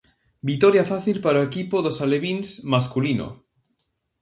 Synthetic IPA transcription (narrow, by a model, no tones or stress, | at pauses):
bit̪oɾjafaθilpaɾoekipoðosaleβinzmaskulino̰